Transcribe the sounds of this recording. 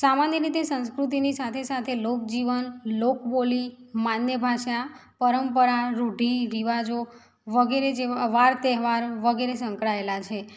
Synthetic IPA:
samanjəɾit̪esə̃nskɾut̪̬inisat̪ʰesat̪ʰelok̚d͡ʒiʋənlokbolimanjəbʱaʃapəɾəmpəɾaɾuɖʱiɾiʋad͡ʒo | ʋəɡeɾed͡ʒeʋaɾt̪ɛɦʋaɾʋəɡeɾesəŋkɭaelat͡ʃʰe

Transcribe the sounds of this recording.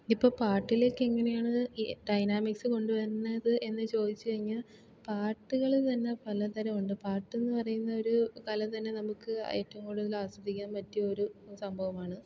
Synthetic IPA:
ipːo̞ːpaːʈːilo̞ːkːeeŋːɐne̞jaːɳɨɖɐjnaːmiksɨko̞ɳɖuʋɐɾunːɐðɨʔe̞nːɨt͡ɕo̞ːd̪it͡ɕːɨkɐrɻiɲːaːl | paːʈːuɣɐɭt̪ɐnːe̞pɐlɐt̪ɐɾɐmuɳɖɨpaːrʈːe̞nːɨpɐrɐjunːɐo̞ɾukɐlɐt̪ɐnːe̞nɐmukːɨ̰eːtːɐmkuːɽuðilaːsɐd̪ʱːikʲːaːnmɐtːuo̞ɾusɐmbʱɐʋɐmaːɳɨ

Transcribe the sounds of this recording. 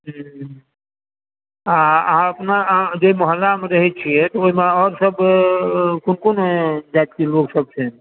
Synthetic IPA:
ɦ | aəɦãəpnad͡ʒoimɔɦəlːamẽɾəɦit͡ʃʰiɛt̪ɔoimeɔːɾsəb | kʊnkond͡ʒad̪kiloːɡsəb̚sʰẽ

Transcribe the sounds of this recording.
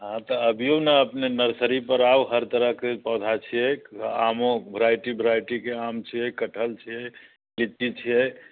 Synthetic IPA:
ɦãt̪əəbʱijonəəpnenəɾsəɾipəɾawɦəɾt̪əɾəɦkepəd̪ʱat͡ʃʰijɛamõbʱəɾajʈibʱɾajʈikeamt͡ʃʰijɛkəʈʰəlt͡ʃʰijɛ | lit̪ːit͡ʃʰijɛ

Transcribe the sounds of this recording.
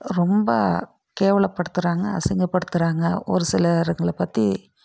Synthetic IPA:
ɾɔmbɐ̰ | keːʋɐɭɐpːɐɽɯt̪ːɯɾaːŋɡɐɐ̰sɪŋɡɐpːɐɽɯt̪ːɯɾaːŋɡɐɔ̰ɾɯsɪlɐɾɯŋɡɐɭpɐt̪ːi

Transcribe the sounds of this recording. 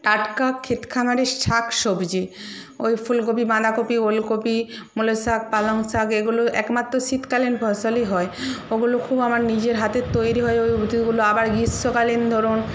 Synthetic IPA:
ʈaʈkakʰːet̪kʰamaɾeɾʃʰakʃobʱd͡ʑi | ojfulɡopimad̪akopiolkopimulosak̚paloŋsakeɡuloʔɛ̰kmat̪ːɾoʃit̪kalinbʱɔsoliɦɔeoɡulokʰubamaɾnid͡ʑeɾɦat̪et̪ojɾiɦɔeojubd̪ʱiɡuloabaɾɡisːokalind̪ʱɔɾon

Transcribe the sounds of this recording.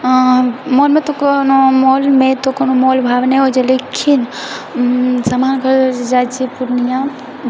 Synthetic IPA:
molmet̪ɔkonomolmet̪ɔkonomolbʱabnɛɦod͡ʒelekʰin | samankəɾd͡ʒat͡ʃipuɾnijã

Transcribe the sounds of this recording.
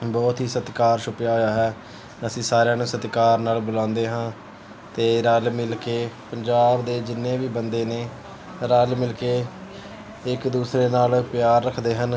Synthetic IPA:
bɔːt̪ɦiːsət̪kaːɾʃʊpjaːɦojaːɦɛː | əsĩːsaːɾejãːnũːsət̪kaːɾnaːlbʊlãːnd̪eːɦãː | t̪eːɾalmɪlkeːpəɲd͡ʒaːbd̪eːd͡ʒɪnːẽːʋiːbənd̪eːneː | ɾaːlmɪlkeː | ɪkd̪uːsɾeːnaːlpjaːɾːəkʰd̪eːɦən

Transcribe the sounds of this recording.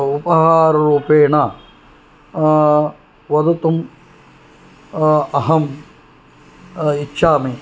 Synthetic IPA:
upɐɦaːɾɐɾuːpeːɳɐ | ʋɐd̪ɐt̪um | ɐɦɐm | itːʃʰaːmi

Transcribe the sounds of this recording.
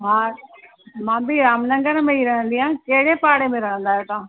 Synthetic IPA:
ɦãː | mãːbʱiɾaːmnə̃ŋɡəɾmẽiɾɐɦə̃nd̪iɦãːkeɦɪɽepaːɽemẽɾɐɦə̃nd̪aːɦet̪ãː

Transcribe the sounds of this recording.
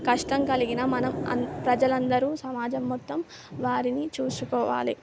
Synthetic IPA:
kɐʂʈɐmkɐliɡinɐmɐnɐmɐ̰pɾɐd͡ʒɐlɐnd̪ɐɾuːsɐmaːd͡ʒɐmːɔt̪ːɐm | ʋaːɾinit͡ʃuːsukɔːʋa̰ːlḭ

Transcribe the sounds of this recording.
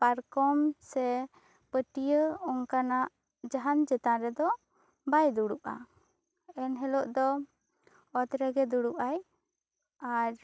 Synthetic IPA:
paɾkɔmsɛ | pəʈijəɔŋkanaʔ | d͡ʒaɦand͡ʒɛt̪aɾɛd̪ɔ | bajd̪uɽup̚a̰ | ɛnɦɛlɔʔd̪ɔ | ɔt̪ɾɛɡɛd̪uɽuʔaj | aɾ

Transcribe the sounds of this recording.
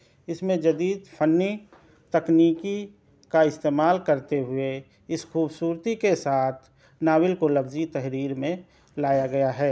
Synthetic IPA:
ɪsmẽd͡ʒɐd̪iːd̪pʰənːi | t̪ɐkniːki | kaɪst̪eːmaːlkəɾt̪eɦʊe | ɪsxuːbsuːɾt̪ikesaːt̪ʰ | naːwɪlkolɐɡzit̪ɐɦɾiːɾmẽ | laːjaɡɐjaɦɛː

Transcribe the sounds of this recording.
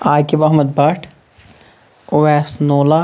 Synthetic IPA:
aːkebɐɦməd̪̚baːʈʰ | oːeːsnoːla

